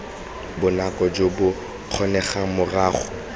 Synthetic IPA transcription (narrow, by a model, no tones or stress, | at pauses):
bʊnakʼɔd͡ʒobʊ | q͡χʰɔnɛχamʊraːχʊ̥